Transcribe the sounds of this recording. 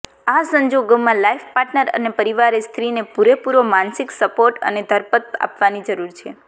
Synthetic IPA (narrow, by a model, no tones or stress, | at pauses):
asəɲd͡ʒoɡomãlaifpaɾʈnəɾə̰nepəɾiʋaɾest̪ʰɾinepuɾepuɾomansiksəpoɾʈə̰ned̪ʱəɾpət̪̚a̰pʋanid͡ʒəɾuɾt͡ʃʰe